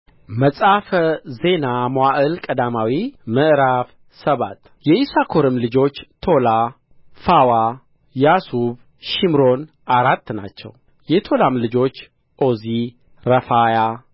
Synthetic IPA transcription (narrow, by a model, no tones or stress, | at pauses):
məsʼafəze̞namoaʔɨlkʼəd̪amawimɨʔɾaf | səβa̰t̪ | jɛisakʰo̞ɾɨmlɨd͡ʒo̞t͡ʃːt̪ʰo̞la | fawa | jasuβ | ʃimɾo̞n | ʔaɾat̪ːna̰t͡ʃːɛ̰w | jɛt̪ʰo̞lamlɨd͡ʒo̞t͡ʃː | ʔo̞zi | ɾəfaja